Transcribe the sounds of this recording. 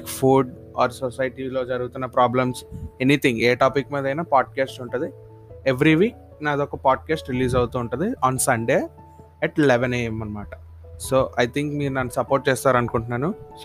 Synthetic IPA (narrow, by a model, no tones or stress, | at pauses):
kfʰuːɖ | aːɾsosɐjʈilo̞ːd͡ʒɐɾuɡut̪unːɐpɾaːblɐmsenit̪ʰiŋɡeːʈaːpikːmiːd̪ɐjnaːpaːɖ̚keːsʈuɳʈund̪i | eʋɾiʋiːk̚ | naːd̪okːɐpaːɖ̚kaːsʈɾiliːs̬ɐwut̪uːɳʈund̪iaːnsɐɳɖeː | ɛʈleʋeneemːɐnːɐmaːʈɐ̥ | soːʔɐjt̪ʰiŋkmiːɾunɐnːusɐpoːɾʈ̚t͡ʃeːst̪aːɾɐnkuɳʈunːaːnu